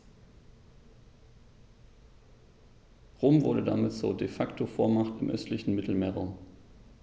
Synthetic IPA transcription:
ʁoːmvʊɐɾəda̰mɪtt͡suːɐdefaktʰofoːɐmaχtɪmʔœ̰stlɪçn̩mɪtl̩meːʁo̰ːm

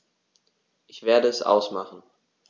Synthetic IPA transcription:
ʔɪçv̥eːɐdəɛsʔa̰ʊsmaχn̩

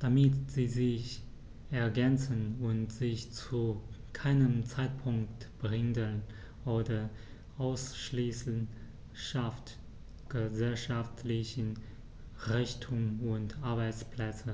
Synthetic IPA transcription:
d̥amɪtz̥iːzɪç | ɛɐɡɛnt͡sənʊntz̥ɪçt͡sukʰaɪnəmt͡saɪt̚pʰʊŋktb̥ʁɪŋdən | ʔoːdɐ | ʔaʊsʃliːsn | ʃaft | ɡ̥əzɛlʃaftlɪçən | ʁɛçtʰʊmʊntʔaɐbaɪt͡spl̥ɛt͡sə

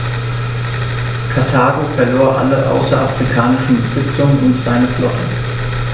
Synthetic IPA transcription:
kʰaɐtʰaːɡofɛɐloːɐʔa̰ləʔa̰ʊsɐʔafʁ̥ikʰaːnɪʃn̩bəzɪt͡sʊŋənʔʊntz̥aɪnəflɔtn̩

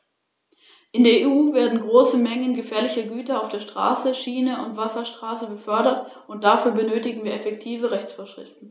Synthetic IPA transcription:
ʔɪndeːɐeːuːveːɐdn̩ɡʁoːsəmɛŋənɡəfɛːɐlɪçɐɡyːtɐaʊfd̥eːɐʃtʁ̥a̰ːsəʃiːnəʊntv̥asɐʃtʁ̥aːsəbəfœɐɾɐt | ʊnt̚d̥afyːɐbənøːtɪɡŋ̩viːɐɛfɛktʰiːvəʁɛçt͡sfoːɐʃʁ̥ɪ̰ftn̩

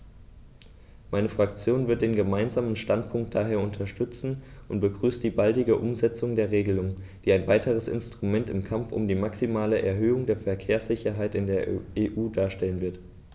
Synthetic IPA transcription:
maɪnəfʁ̥akt͡sjoːnvɪɐt̚d̥eːnɡəmaɪnzaːmənʃtantpʰʊŋk̚t̚d̥aɦeːɐʊntʰɐʃtʏt͡sn̩ʔʊntb̥əɡʁyːstd̥iːbaldɪɡəʔʊmzɛt͡sʊŋdeːɐʁeːɡəlʊŋd̥iːaɪnvaɪtʰəʁəsɪ̰nstʁ̥umɛntɪmkʰamfʊ̰mdiːmaksimaːləʔɛɐɦøːʊŋdeːɐfɛɐkʰeːɐsz̥ɪçɐɦaɪtɪndeːɐʔeːʔuːdaːɐʃtɛlənvɪɐt

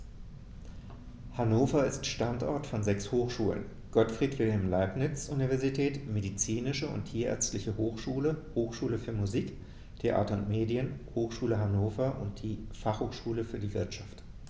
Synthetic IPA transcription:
hanoːfɐɪstʃtantʔɔ̰ɐtfɔnzɛkshoːxʃuːlə̰n | ɡ̥ɔtfʁ̥iːtv̥ɪlɦɛmlaɪpnɪt͡sʔunivɛɐzitʰɛːtmedit͡siːnɪʃəʊ̰ntʰiːɐʔɛ̰ɐt͡stlɪçəhoːxʃuːləhoːxʃuːləfyːɐmuziːk | tʰeʔa̰ːtɐʊntmeːdiənhoːxʃuːləɦanoːfɐʔʊ̰nt̚d̥iːfaχhoːxʃuːləfyːɐdiːvɪɐtʃaft

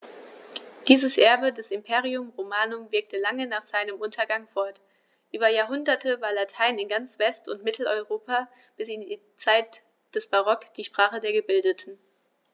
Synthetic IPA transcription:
d̥iːzəsʔɛɐbədɛsɪmpʰeːʁiʊmʁomaːnʊmvɪɐk̚tʰəlaŋənaːχz̥aɪnəmʔʊntʰɐɡaŋfɔɐt | ʔyːbɐjaːɐɦʊndɐtʰəvaːɐlatʰaɪnɪnɡant͡sv̥ɛstʊntmɪtʰl̩ɔʏʁoːpa | b̥ɪsɪndiː | t͡saɪt | d̥ɛsb̥aʁɔkd̥iːʃpʁ̥aːχədeːɐɡəbɪldətʰn̩

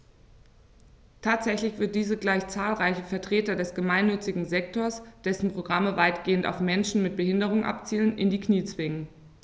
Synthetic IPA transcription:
tʰaːtz̥ɛçlɪçv̥ɪɐt̚d̥iːzəɡlaɪçt͡saːlʁaɪçəfɛɐtʁ̥eːtɐdɛsɡ̥əmaɪnːʏt͡sɪɡŋ̩zɛk̚toːɐsd̥ɛsn̩pʁ̥oɡʁaməvaɪtɡ̥eːənta̰ʊfmɛnʃn̩mɪt̚b̥əhɪndəʁ̞ʊŋʔa̰pt͡siːlənʔɪndiːkniːt͡sv̥ɪŋən

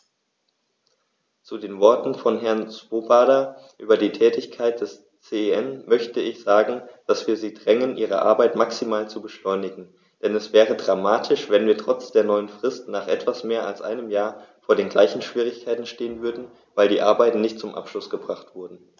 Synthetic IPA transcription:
t͡sudeːnvɔɐtn̩fɔnɦɛɐnsv̥oːbaːdɐʔyːbɐdiːtʰɛːtɪçkʰaɪt̚d̥ɛs | t͡seːɛnmœçtəɪçz̥aːɡŋ̩d̥asv̥iːɐziːdʁɛŋənʔiːʁ̞ə̰ʔa̰ɐbaɪtmaksimaːlt͡subəʃlɔʏnɪɡŋ̩ | d̥ɛnɛsv̥ɛːʁ̞ədʁamaːtʰɪʃv̥ɛnviːɐtʁ̥ɔt͡sd̥eːɐnɔʏənfʁ̥ɪstnaːχʔɛtv̥asmeːɐa̰lsʔa̰ɪnəmjaːɐfoːɐɾeːnɡlaɪçn̩ʃv̥iːʁ̞ɪçkʰaɪtn̩ʃteːənvʏɐdn̩ | vaɪldiːʔaɐbaɪtn̩nɪçtt͡sʊmʔa̰pʃlʊsɡ̥əbʁaχtv̥ʊɐdn̩

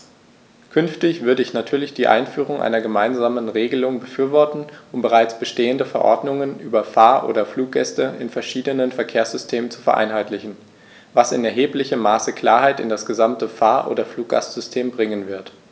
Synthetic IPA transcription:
kʰʏnftɪçv̥ʏɐdəɪçnatʰyːɐlɪçd̥iːʔa̰ɪnfyːʁ̞ʊŋʔa̰ɪnɐɡəmaɪnzaːmənʁeːɡəlʊŋbəfyːɐvɔɐtn̩ʔʊmbəʁ̞aɪt͡sb̥əʃteːəndəfɛɐʔɔ̰ɐdnʊŋənʔyːbɐfaːɐʔo̰ːdɐfluːk̚ɡ̥ɛstəʔɪnfɛɐʃiːdənənfɛɐkʰeːɐsz̥ʏstʰeːmənt͡su̥fɛɐʔa̰ɪnɦaɪtlɪçn̩ | vasɪnɛɐɦeːplɪçəmːaːsəkl̥aːɐɦaɪtɪ̰ndasɡ̥əzamtəfaːɐʔo̰ːdɐfluːk̚ɡ̥a̰stz̥ʏstʰeːmbʁɪŋənvɪɐt

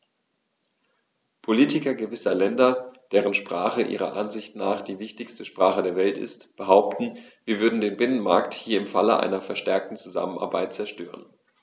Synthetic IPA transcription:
pʰoliːtɪkɐɡəvɪsɐlɛndɐd̥eːʁ̞ənʃpʁ̥aːχəʔḭːʁɐ̰ʔanzɪçtnaːχd̥iːvɪçtɪçstəʃpʁ̥aːχədeːɐvɛltɪ̰stb̥əɦaʊp̚tn̩ | viːɐvʏɐdn̩deːnbɪnənma̰ɐkthiːɐɪmfa̰ləʔa̰ɪnɐfɛɐʃtɛɐk̚tn̩t͡suza̰məna̰ɐbaɪt̚t͡sɛɐʃtø̰ːʁə̰n

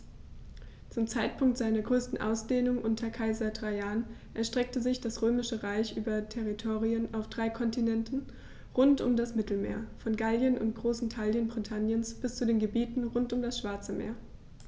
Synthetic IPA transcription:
t͡sʊmt͡saɪt̚pʰʊŋktz̥aɪnɐɡʁøːstn̩ʔa̰ʊsd̥eːnʊŋʔʊntʰɐkʰaɪzɐdʁaɪaːn | ʔɛɐʃtʁ̥ɛk̚təzɪçd̥asʁ̥øːmɪʃəʁaɪçʔyːbɐtʰɛʁitʰoːʁiənʔaʊfd̥ʁaɪkʰɔntinɛntn̩ | ʁʊntʔʊ̰mdasmɪtl̩mḛːɐfɔnɡaljənʊ̰ntɡ̥ʁoːsn̩tʰaljənbʁitʰanjənsb̥ɪst͡sudeːnɡəbiːtn̩ʁʊntʊmdasʃv̥aɐt͡səmḛːɐ

